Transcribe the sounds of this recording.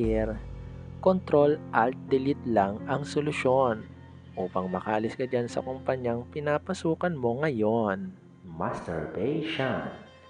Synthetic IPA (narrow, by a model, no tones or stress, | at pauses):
ɪɾkont̪ɾo̞lʔɐlt̪̚d̪ɪlɪt̪laŋɐŋsolʊʃo̞n | ʔuːpɐŋmɐkɐʔɐlɪsɡɐd͡ʒansɐ̰kʊmpɐɲaŋpɪnapɐsuːkɐnmo̞ŋɐjo̞n | mast̪ɛ̰ɹbɛjʃan